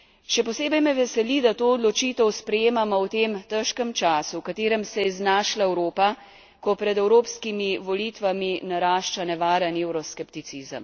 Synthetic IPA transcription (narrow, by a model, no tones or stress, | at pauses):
ʃɛpɔseːbɛjmɛʋɛsɛlid̪at̪oːɔd̪lɔt͡ʃit̪ɛwspɾɛjeːmamɔwt̪emt̪əʃkəmt͡ʃaːsuwkat̪eːɾɛmsɛjɛiznaːʃlaɛwɾoːpa | kɔpɾɛd̪ɛwɾoːpskimiʋɔlit̪ʋaminaɾaːʃt͡ʃanɛʋaːɾənewɾɔskɛpt̪it̪sizə̰m